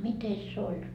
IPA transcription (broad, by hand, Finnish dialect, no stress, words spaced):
mites se olʲ jot